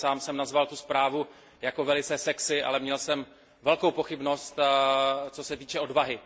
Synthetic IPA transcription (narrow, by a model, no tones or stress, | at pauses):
saːmsɛmnazvalt̪uspɾaːvu | jako̞vɛlɪt͡sɛːsɛksɪʔa̰lɛmɲɛlsɛm | vɛlko̞wpo̞xɪbno̞st̪ | t͡so̞sɛt̪iːt͡ʃɛo̞dvaɦɪ